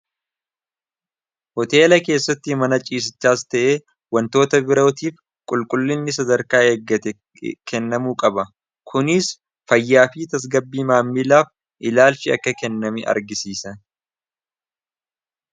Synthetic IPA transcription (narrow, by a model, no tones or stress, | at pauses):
hɔt̪e̞ːlɐke̞ːsːɐt̪ːɪmɐnɐt͡ʃʼiːs̬ɪt͡ʃːaːst̪ɐʔeː | wɐnt̪o̞ːt̪ɐbɪɾot̪iːf | kʼʊlkʼʊlːɪnːɪsɐd̪ɐɾkaːeːɡːɐt̪ɛ | kɛnːɐmuːkʼɐbɐ | kʰʊnɪs | fɐjːaːfiːt̪ɐs̬ɡɐbːiːmaːmːilaːf | ʔɪlaːlt͡ʃɪɐ̰kːɐkɛnːɐmɪʔɐ̰ɾɡɪsiːsɐn